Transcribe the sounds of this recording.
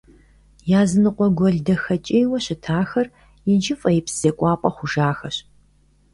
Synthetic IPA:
jaːzɨnɨqʷʼɔɡʷɔɮdɐxɐt͡ʃʼejwɐɕɪtʰaːxɐr | jɪd͡ʒɪfʼɐjɪpsɨz̥ekʷʼɑːpʷʼɐχʷʊʒaːxɐɕ

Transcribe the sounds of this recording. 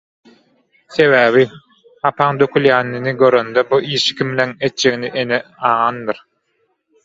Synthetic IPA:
θe̞βæːβi | ɑpʰɑŋd̪økʰyljæːnːiniɡø̞ɾønd̪øbuʔiːʃi̥kʰimleŋet̪̚d͡ʒe̞ɣniʔeneɑːɑnd̪ɯɾ

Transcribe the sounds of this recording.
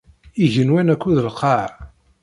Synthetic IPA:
iʝənwænækʷːuðəlqɑʕ

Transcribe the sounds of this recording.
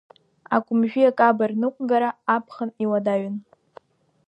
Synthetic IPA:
akʷʼʊmʒᶣiakʼabarnɨkʷʼɡaɾaːpʰχəniwadaɥɪn

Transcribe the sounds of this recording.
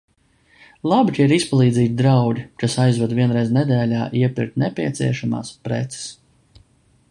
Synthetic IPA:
lˠabit͡ʃʲiɾispalˠiːd̪ziːt̪̚ʲd̪ɾawdʲikasajzvɛd̪viɛnɾɛjznɛd̪ɛːlʲaːʔiɛpḭɾt̪nɛpʲiɛt̪sḭɛʃama̰ːspɾɛ̰t̪sɛ̥s

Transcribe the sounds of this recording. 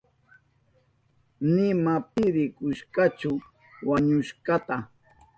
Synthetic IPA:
nɪmapɪɾɪkʊʃkat͡ʃʊ | waɲʊʃɢɑt̪a

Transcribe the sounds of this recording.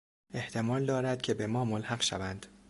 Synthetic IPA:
e̞ht̪ʰe̞mɒːld̪ɒːɾæd̪̥cʲʰe̞be̞mɒːmolhæɢʃæ̰vænd̪̥

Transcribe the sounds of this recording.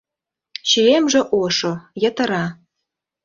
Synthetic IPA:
ɕyemʒĕʔoʃojə̆t̪ə̆ɾɑ

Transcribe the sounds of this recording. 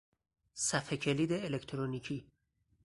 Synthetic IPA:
sæfecʰe̞liːd̪eːlekʰt̪ʰɾoniːcʰiː

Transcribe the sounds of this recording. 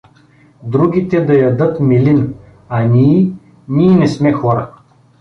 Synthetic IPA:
d̪ɾuɡʲit̪ɛd̪ɐjɐd̪ɤt̪milin | ɐnʲiː | nʲiːnɛsmɛxɔɾə̰

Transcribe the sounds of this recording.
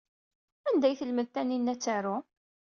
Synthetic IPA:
ænd̪æjθəlməðθænːinːæt͡sːaɾʊ

